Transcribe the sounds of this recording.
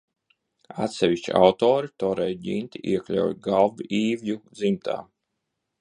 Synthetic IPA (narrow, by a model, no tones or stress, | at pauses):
a̰t̪sɛvʲiʃt͡ʃḭa̰wt̪ɔːɾit̪ɔɾɛjɟint̪ʲiʔiɛklʲa̰wjɡalˠviʔiːvjud̪zimt̪ʰa̰ː